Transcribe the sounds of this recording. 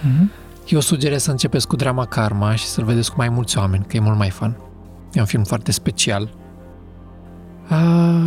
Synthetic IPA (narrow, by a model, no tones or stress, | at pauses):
jewsud͡ʒe̞ɾessəɨnt͡ʃe̞pe̞skud̪ɾamakarmaʃi̥səlve̞d̪e̞skumajmult̪sʲoame̞nʲkəje̞mult̪majfan | jeunfilmfoart̪e̞spe̞t͡ʃial | ə